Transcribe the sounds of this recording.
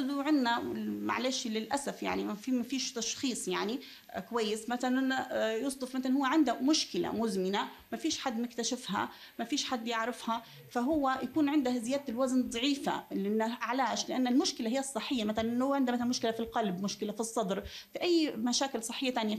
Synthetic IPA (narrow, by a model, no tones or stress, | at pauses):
ðuʕɪnːawɪ̰lma̰ʕleːʃlɪlʔasafja̰ʕnimafimafiːʃt̪ɑʃxiːsˤjaʕni | kʊwajːɪsmaθallnnjʊsˤd̪ˤʊfmaθalanhʊwːaʕɪnd̪amʊʃkɪla̰mʊzmɪna | mafiːʃħad̪ːmɪkt̪aʃɪfha̰ | mafiːʃħad̪ːjɪʕɾɪfha | faɦʊwːajakuːnʕɪnd̪ahazɪjaːd̪̚t̪ɪlwaznðˤɑʕiːfa̰lʔɪnːaʔaʕlaːʃlɪʔanːalmʊʃkɪlaɦɪjːɑsˤːɨħːɪjːamaθalanʔnːhʊwːaʕɪnd̪amaθalmʊʃkɪlafilqɑlbmʊʃkɪlafisˤːɑd̪ɾ | fiʔajːmaʃaːkɪlsˤɨħːɪjːat̪aːnɪja